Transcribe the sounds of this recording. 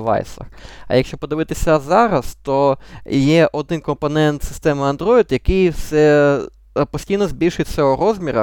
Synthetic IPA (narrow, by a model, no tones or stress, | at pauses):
ʋɑ̰jsɐ̰xɐ̰jɐkʃt͡ʃɔpɔd̪ɪʋɪt̪ɪsʲɐzɑɾɐst̪ɔjɛʔɔd̪ɪnkɔmpɔnɛnt̪sɪ̥st̪ɛmɪɐnd̪ɾɔɪd̪jɐkɪjwsɛ | pɔsʲtʲijnɔzʲbʲilʲʃʊsʲɐɔɾɔzmʲiɾɐ̰